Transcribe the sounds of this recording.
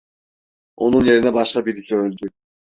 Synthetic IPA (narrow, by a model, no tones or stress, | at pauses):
o̞nunje̞ɾinɛbɑʃqɑbiɾisiølʲd̪y